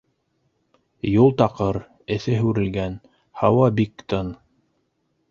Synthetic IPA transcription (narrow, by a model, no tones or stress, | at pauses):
julˠt̪ɑqɤɾ | ɘ̆θɘɦʉɾɘ̆lɡæn | hɑwɑbikt̪ɤn